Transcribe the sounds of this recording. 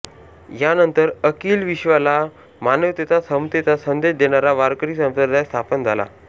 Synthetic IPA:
janənt̪əɾəkiːlʋiɕʋala | manəʋt̪et͡s̪asəmt̪et͡sasənd̪eɕd̪eɳ̃aɾaʋaɾkəɾiːsə̃msəd̪ʱajst̪ʰapənd͡zʱala̰

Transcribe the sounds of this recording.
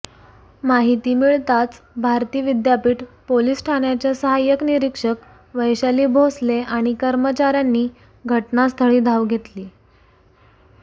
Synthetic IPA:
maɦit̪iːmiɭt̪at͡s | bʱaɾt̪iːʋid̪japiːʈpoliːsʈʰaɳjat͡ɕjasəɦajəkniɾikʂək | ʋəjɕaliːbʱosleʔaɽ̃ikəɾmət͡ɕaɾjanːiː | ɡʱəʈnast̪ʰəɭiːd̪ʱaʋɡʱet̪liː

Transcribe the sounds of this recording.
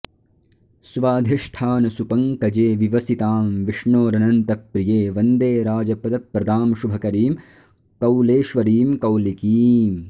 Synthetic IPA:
suʋaːd̪ʱiʂʈʰaːnɐsupɐŋkɐd͡ʒeːʋiʋɐsit̪aːmʋiʂɳoːɾɐnɐnt̪ɐpɾijeːʋɐnd̪eːɾaːd͡ʒɐpɐd̪ɐpɾɐd̪aːmʃubʱɐkɐɾiːm | kɐwleːʃʋɐɾiːmkɐwlikiːm

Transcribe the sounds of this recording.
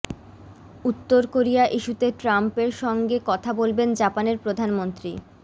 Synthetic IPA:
ut̪ːoɾkoɾiaʔiʃut̪eʈɾampeɾʃɔŋɡekɔt̪ʰabolbend͡ʑapaneɾpɾod̪ʱanmont̪ɾi

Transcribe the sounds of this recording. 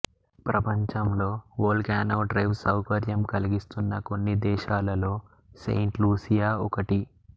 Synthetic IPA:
pɾɐpɐɲt͡ʃɐmlo̞ːoːlkaːnɐwɖɾɐjʋsɐwkɐɾjɐmkɐliɡist̪unːɐko̞nːid̪ɛːʃaːlɐlo̞ː | sḛjɳʈluːsijaːɔkɐʈi

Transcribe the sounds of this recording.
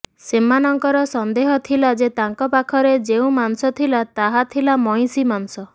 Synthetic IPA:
simanɔŋkɔɾɔsɔnd̪eɦɔt̪ʰilad͡ʒet̪aŋkɔpakʰɔɾed͡ʒeũmansɔt̪ʰilat̪aɦat̪ʰilamɔj̃simansɔ

